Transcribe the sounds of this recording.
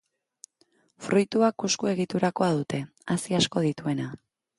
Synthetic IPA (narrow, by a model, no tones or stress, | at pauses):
fɾʔujt̪uakuskue̞ɣ̞it̪uɾako̞að̞ut̪e̞ | asiasko̞ð̞it̪ue̞na